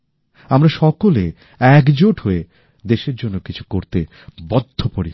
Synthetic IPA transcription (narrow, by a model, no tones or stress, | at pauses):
amɾaʃɔkole | ɛkd͡ʑoʈɦoe | d̪eʃeɾd͡ʑonːokit͡ɕʰu̥koɾt̪e | bɔd̪ʱːopoɾi